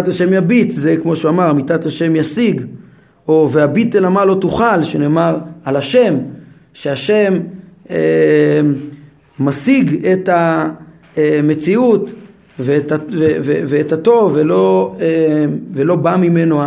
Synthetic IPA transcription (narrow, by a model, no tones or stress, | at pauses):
ataʃe̞mjabitzekmo̞ʃuamaʁamitathaʃe̞mjasiɡ | oveabit̪elamalo̞tuχalʃene̞ːmaʁalaʃe̞m | ʃeaʃe̞me | asiɡeta | emet͡siut | vetaveveveːtato̞velo̞evelo̞bamime̞noa